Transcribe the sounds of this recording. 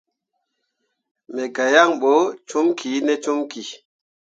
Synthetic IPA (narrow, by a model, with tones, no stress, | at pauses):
mɛ˨ɡa˨ja˦˨ŋɓo˨˦t͡ʃu˦mkʰi˨˦nɛ˦t͡ʃu˦mki˨